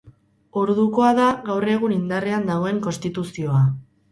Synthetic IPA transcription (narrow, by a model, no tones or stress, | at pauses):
oɾðuko̞aðaɣawre̞ɣ̞unind̪areand̪aɣ̞o̞e̞ŋko̞nst̪it̪usio̞a